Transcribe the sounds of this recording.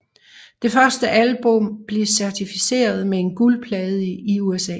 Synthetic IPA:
d̥e̝fɶɐsd̥əʔælb̥ɔ̽mb̥le̝sæɐt͡sʰifise̝̰ːɐð̞ˠmee̝nɡ̥ulpʰlɛːð̞̩ˠəəiuesɛ̰ː

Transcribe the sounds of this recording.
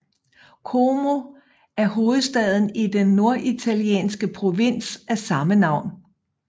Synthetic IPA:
kʰomo̝ | æɐɦo̝ːð̞̩ˠsd̥ɛð̞ˠn̩id̥enːo̝ɐʔit͡sʰæliḛːnsɡ̥əpʰʁo̝ʋen̰sʔæsɑ̈mənɑ̈ʊ̰n

